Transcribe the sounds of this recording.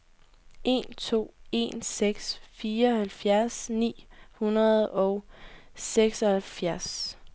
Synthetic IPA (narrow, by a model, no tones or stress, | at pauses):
ʔe̝̰ːnt͡sʰo̝̰ːe̝̰nseɡ̥sfiːɐɒhælfjæɐsnḭːhunʁɐðˠɒʊseɡ̥sɒ̽hælfjæɐs